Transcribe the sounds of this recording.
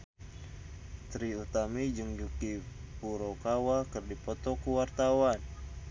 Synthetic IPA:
t̪ɾiut̪amid͡ʒəŋd͡ʒukipuɾokawakɨrdipɔt̪ɔkuwart̪awan

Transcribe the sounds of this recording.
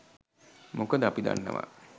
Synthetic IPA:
mukəd̪əapid̪a̰nːə̰ʋa̰

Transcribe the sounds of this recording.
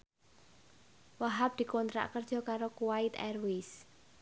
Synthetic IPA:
waɦap̚d̪̥i̤kɔnt̪ɾa̰ʔkərd̥ʒ̥ɔ̤kaɾokuwait̪ɛ̰rwis

